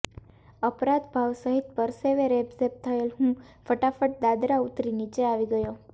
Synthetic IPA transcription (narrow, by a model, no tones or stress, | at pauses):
əpɾãt̪bʱaʋsəɦit̪̚pəɾseʋeɾebsep̚t̪ʰəelɦũ | fəʈafəʈ̚d̪ad̪ɾaut̪ɾinit͡ʃeaʋiɡəjo